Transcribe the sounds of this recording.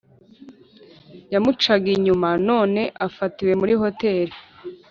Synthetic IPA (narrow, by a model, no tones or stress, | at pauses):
jamut͡ʃaɡiɲumano̞ːne̞ʔafatiwe̞muɾiho̞te̞ɾi